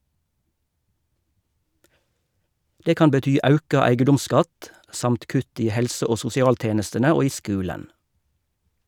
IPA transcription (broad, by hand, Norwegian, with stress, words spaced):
ˈdeː ˈkɑːn bəˈtyː ˈɑʉkɑ ˈæɪɡədʊmˌskɑt ˈsɑmt ˈkʉt ˈiː ˈhɛlsə ˈoː sʊsɪˈɑːlˌteːnəstənə ˈoː ˈiː ˈskʉːlən